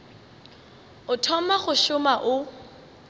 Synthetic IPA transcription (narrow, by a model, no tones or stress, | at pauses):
ʊtʰɔmaχʊʃʊmaʔʊ